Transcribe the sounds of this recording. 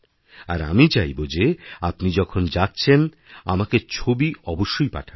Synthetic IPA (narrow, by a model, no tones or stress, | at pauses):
aɾa̰mit͡ɕajbod͡ʑeapnid͡ʑɔkʰond͡ʑatːt͡ɕʰen | a̰maket͡ɕʰobiɔboʃːojpa̰ʈʰa